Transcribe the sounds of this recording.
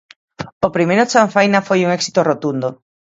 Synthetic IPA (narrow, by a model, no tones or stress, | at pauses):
opɾimejɾʊt͡ʃaɱfajnafojuŋɛksi̥t̪orot̪und̪o